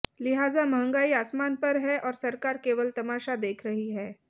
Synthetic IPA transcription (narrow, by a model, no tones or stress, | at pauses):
lɪɦaːzamɐɦə̃ŋɡaːiaːsmaːnpɐɾɦɛʔɔːɾsɐɾkaːɾkeːʋəlt̪ɐmaːʃad̪eːkʰɾɐɦiɦɛː